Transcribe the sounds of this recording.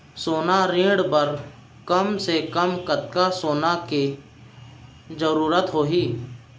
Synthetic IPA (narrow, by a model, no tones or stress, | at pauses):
soːnaɾĩːɽbəɾ | kəmsekəmkət̪kasoːnaki | d͡ʒəɾuːɾət̪ɦoːɦiː